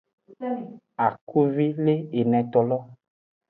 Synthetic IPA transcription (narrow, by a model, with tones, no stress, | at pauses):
a˨ku˦vi˦le˦e˨nɛ̃˨t̪ɔ˨lɔ˦